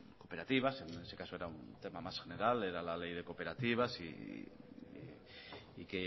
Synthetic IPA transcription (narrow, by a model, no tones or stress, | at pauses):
ko̞pe̞ɾat̪iβ̞asenese̞kaso̞eɾaunt̪e̞mamasχxeneɾaleɾalalejðe̞ko̞pe̞ɾat̪iβ̞asḭ | ike